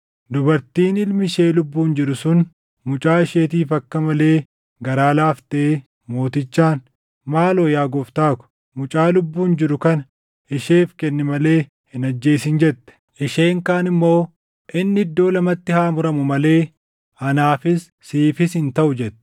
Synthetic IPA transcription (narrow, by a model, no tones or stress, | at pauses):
d̪ʊbɐɾt̪iːnɪlmɪʃe̞ːlʊbːuːnd͡ʒɪɾʊsʊn | mʊt͡ʃʼaːɪʃeːt̪iːfɐkːɐmɐleː | ɡɐɾaːlaːft̪eː | mo̞ːt̪ɪt͡ʃːaːn | maːloːjaːɡɔft̪aːkʊ̥ | mʊt͡ʃʼaːlʊbːuːnd͡ʒɪɾʊkɐnɐ | ɪʃeːfkɛnːɪmɐle̞ː | hɪnɐd͡ʒːe̞ːsɪnd͡ʒɛt̪ːɛ̥ | ʔɪʃeːŋkaːnɪmːo̞ː | ʔɪnːɪɪd̪ːo̞ːlɐmɐt̪ːɪhaːmʊɾɐmʊmɐle̞ː | ɐnaːfɪsːiːfɪsɪnt̪ɐʔʊd͡ʒɛt̪ːɛ̥